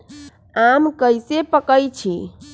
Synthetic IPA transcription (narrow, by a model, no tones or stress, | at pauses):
amkəjsepəkəjt͡ʃʰḭ